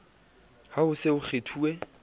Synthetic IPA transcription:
haʊsɪʊχʰetʰuːɛ

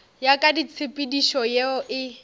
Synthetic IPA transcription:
jakʼadit͡sʰɪpʼɪdiʃɔjeɔʔɪ

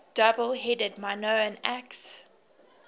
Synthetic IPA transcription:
d̥ʌbəlˠɦɛdəd̚manoʊə̃næks

